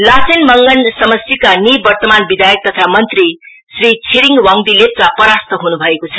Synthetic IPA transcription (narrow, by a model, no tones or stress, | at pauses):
lasenmʌŋɡʌnsʌmʌsikanibʌrt̪ʌmanbid̪ʱajʌk̚t̪ʌt̪ʰamʌnt̪ri | srit͡sʰiɾiŋwʌŋd̪ilep̚kapʌɾast̪ʰʌɦunubʱʌekot͡sʰʌ